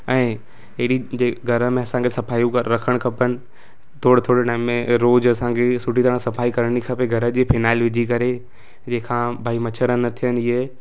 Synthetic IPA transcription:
ɛ̃ː | eɽid͡ʑeːɡʱɐɾə̆mẽɐsãŋkʰesɐpaːjũkəɾɐkʰəɽ̃kʰɐpənɪ̆ | t̪ʰoːɽt̪ʰoːɽinaːɦɪmːẽɾoːd͡ʑɐsãːŋkʰesʊʈit̪əɽ̃sɐfaːikɐɾəɽ̃ikʰɐpeɡʱɐɾə̆d͡ʑiːpʰɪnaːɪlʋɪd͡ʑʱikɐɾe | d͡ʑẽːkʰãːbʱaːimɐt͡ɕʰəɾənɐt̪ʰijəniɦe

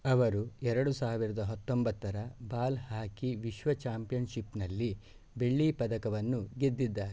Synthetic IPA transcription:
ɐʋɐɾuɛɾɐɽusaːʋiɾɐd̪ɐɦɐt̪ːo̞mbɐt̪ːɐɾɐbaːlhaːkiʋiʃʋɐt͡ʃaːmpijɐnʃipnɐlːi | beɭːipɐd̪ɐkɐʋɐnːuɡed̪ːid̪ːaːɾɛ

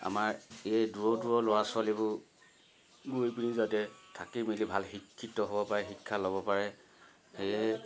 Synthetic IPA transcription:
a̰maɹeɛduɹɔtuɹɔlɔasalibʊ | ɡojpunizatɛtʰakimilibʱalxikʰːitɔɦobɔpaɹɛxikʰːaloβɔpaɹɛ | xejɛ

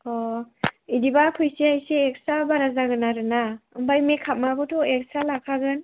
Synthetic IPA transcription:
ɔ | idibakʰɯjsiajsiek̚sabaɾazaɡɯnaɾɯnaɯmbajmekʰap̚maɡutʰɔek̚salakʰaɡɯn

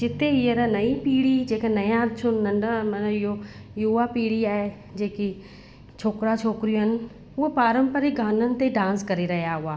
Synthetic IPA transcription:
d͡ʒɪt̪eɪeɾənɐipiːɽid͡ʑeːkənɐjãt͡ʃʰʊnːɐ̃ɳɖamɐnɪɦo | juapiːɽiaːɦe | d͡ʑeːki | t͡ʃʰoːkɾat͡ʃʰoːkɾijũɦɪnɪ̆ | ʊɦopaːɾə̃mpəɾiɡʱaːnənɪ̆t̪eɖãːnskɐɾiɾɐɦijaɦʊaː

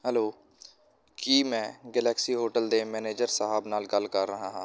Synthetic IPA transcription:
ɦəloː | kiːmɛ̃ːɡɛːlɛːksiːɦoːʈəld̪eːmɛːneːd͡ʒəɾsəɦəːbnaːlɡəlkəɾːəɦaːɦãː

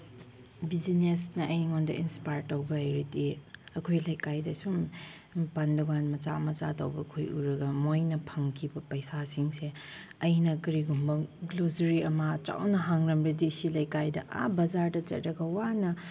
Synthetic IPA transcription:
bizinesnɐʔɐjŋondɐʔinspajɾtːɐwbɐajɾitiɐkʰojlɐjkajdɐsum | panduɡanmɐt͡ʃa̰mɐt͡ʃa̰tɐwbɐkʰojṵɾɐɡɐmojnɐpʰɐŋkʰibɐpɐjsasiŋse | ɐjnɐkɐɾiɡumbɐɡlozɐɾiɐmaɐt͡ʃa̰wnɐɦaŋɾɐmɾɐdesilɐjkajdɐ̰ʔa̰bɐzaɾdɐt͡ʃɐ̰t̚ɾɐɡɐwanɐ

